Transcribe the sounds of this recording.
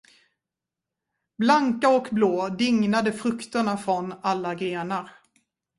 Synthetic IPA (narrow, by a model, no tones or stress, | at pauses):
blaŋkaɔkbloːd̪ɪŋnad̪əfɾɵkt̪əɳafɾɔnalːaɡɾeːnaɾ